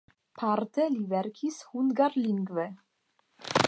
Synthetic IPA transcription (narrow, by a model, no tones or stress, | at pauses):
pʰaɾt̪ʰɛlivɛɾkʰishunɡaɾliŋɡvɛ